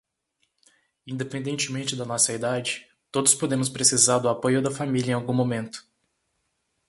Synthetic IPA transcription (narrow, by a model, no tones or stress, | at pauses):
ĩnd̪epẽnd̪ẽnt͡ʃɪmẽnt͡ʃɪd̪ɐnɔsɐid̪ad͡ʒɪ | t̪od̪ʊspod̪ẽmʊspɾesizaɾd̪ʊapojʊd̪ɐfamilʲɐẽawɡũmõmẽnt̪ʊ̥